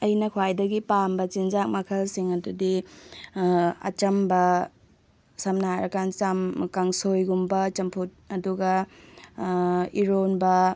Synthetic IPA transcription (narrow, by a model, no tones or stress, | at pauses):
ɐjnɐkʰwajdɐɡipambɐt͡ʃinzak̚mɐkʰɐlsiŋɐdudi | ɐ̰t͡ʃɐmbɐ | sɐmnaɾɐkant͡ʃamkaŋsojɡumbɐt͡ʃɐmpʰut̚ɐduɡɐ | iɾonbɐ